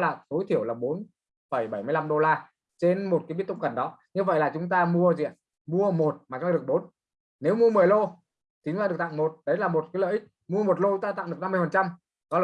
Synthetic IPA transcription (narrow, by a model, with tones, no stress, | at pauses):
laː˨˩t̪o˨˦jt̪ʰi˧˩əwlaː˨˩ɓo˨˦n | fə˧˩jɓə˧˩jmɨ˧əjla˧mɗo˧laː˧ | t͡ɕe˧nmo˨˩t̚kaː˨˦ɓt̪ʊ̰˧˨ŋ͡mkə˨˩nɗɔ˨˦ɲɨ˧və̰˧˨jlaː˨˩t͡ɕʊ˨˦ŋ͡mt̪aː˧mu˧əzḭ˧˨ə˨ | mu˧əmo˨˩t̚ma˨˩t͡ɕʊ˨˦t̪aː˧˨˩ə˩k̚ɓo˨˦n | ne˨˦wmu˧əmɨ˨˩əjlo˧ | t̪i˨˦t̪aː˧ɨ˨˩ək̚t̪a̰ː˧˨ŋmo˨˩t̚ɗə˨˦jlaː˨˩mo˨˩t̚kaː˨˦lə̰ː˧˨ʔi˦˥k̚ | mu˧əmo˨˩t̚lo˧t͡ɕʊ˨˦ŋ͡mt̪aː˧t̪a̰˧˨ŋɨ˨˩ə˩kna˧mɨ˧əjfə˨˩nt͡ɕa˧m | kɔ˨˦˨